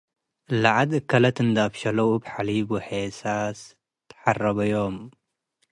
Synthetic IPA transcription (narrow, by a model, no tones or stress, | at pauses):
laʕad̪ɨkʰːɐlɐt̪ɨnd̪abʃɐlɐwubħalibɨħesas | t̪ʰɐ̥ħarɐβɐjom